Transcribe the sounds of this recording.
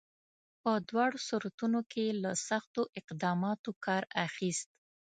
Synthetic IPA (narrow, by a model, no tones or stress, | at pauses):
pəd̪wɑɽosʊɾat̪unokʰelasaxt̪oʔɪqd̪ɑmɑt̪okʰɑɾaxist̪